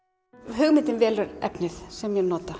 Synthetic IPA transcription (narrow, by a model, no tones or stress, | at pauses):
ɦʏɣmɪnt̪ɪnvɛːlʏɾɛ̰pnɪθsɛmjɛɣnɔːt̪a